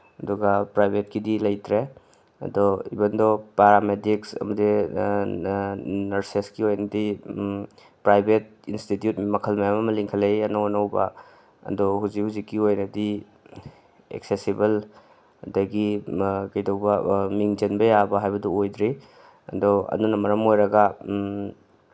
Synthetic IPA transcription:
ɐdɔɡapɾajbʱet̚kidilɐjtɾe | ɐ̰dɔḭbɐndɔpaɾamediksɐ̰mɐdi | nɐɾseskiojnɐdi | pɾajbʱet̚institjutmɐkʰɐlmajamɐmɐliŋkʰɐlejanɐwnɐwba̰ | ɐ̰dɔɦuzikhuzikːiojnɐdi | ḛksesibɐl | dɐɡikɐjdɐwbɐmiŋd͡ʒɐnbɐjabɐɦajbɐduojdɾi | ɐ̰dɔɐ̰nunɐmɐɾɐmojɾɐɡɐ

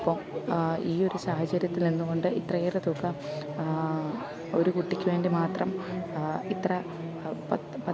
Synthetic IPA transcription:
pːo | iːo̞ɾusaːhɐt͡ɕɐɾjɐt̪ːilnenːuɣo̞ɳɖɨit̪rɐeːret̪ukːɐ | o̞ɾukuʈːikʲːuʋe̞ːnɖimaːt̪rɐm | it̪rɐ | pɐ | pɐ

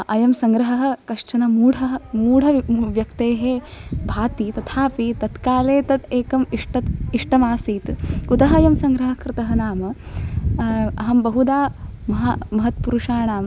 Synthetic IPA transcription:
ʔɐjɐmsɐŋɡɾɐɦɐɦɐ̆kɐʂt͡ʃɐnɐmuːɽɐɐmuːɽ̤ɐʋjɐkt̪eːɦeːbʱaːt̪it̪ɐt̪ʰaːpit̪ɐt̪kaːleːt̪ɐt̪eːkɐmiʂʈɐt̪iʂʈɐmaːsiːt̪kud̪ɐɦɐjɐmsɐŋɡɾɐɦɐkɾɪt̪ɐɦɐnaːmɐ | ɐɦɐmbɐɦud̪aːmɐɦamɐɦɐt̪puɾuʂaːnaːm

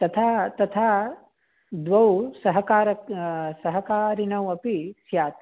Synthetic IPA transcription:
t̪ɐt̪ʰaːt̪ɐt̪ʰaː | d̪ʋɐwsɐɦɐkaːɾɐksɐɦɐkaːɾinɐwɐpisjaːt̪

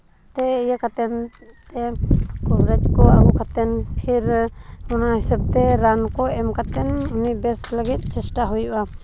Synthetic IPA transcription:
t̪ɛijakat̪ɛnt̪ɛkɔbɾɛd͡ʒkɔakɔkat̪ɛnpʰiɾɔnahisabt̪ɛɾankɔɛmkat̪ɛnunibɛsləɡit̪̚ˀt͡ʃɛsʈaɦujuʔa

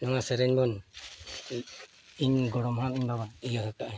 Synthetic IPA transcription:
nɔŋasɛɾɛɲbɔn | iɲɡɔɽɔmɦamiɲbaβaiɡaɦɯk̚aʔa

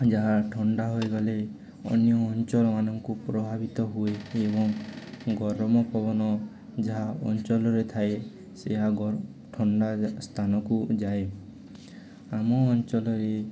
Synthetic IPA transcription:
d͡ʒaɦaʈʰɔɳɖaɦojɡɔle | ɔ̰njɔːnt͡ʃɔlɔmanɔŋkupɾɔbʱabit̪ɔɦueebɔŋɡɔɾɔmɔpɔbɔnɔ | d͡ʒaɦaɔ̰nt͡ʃɔlɔɾet̪ʰae | seɦaɡ | ʈʰɔɳɖast̪ʰanɔkud͡ʒae | amɔːnt͡ʃɔlɔɾe

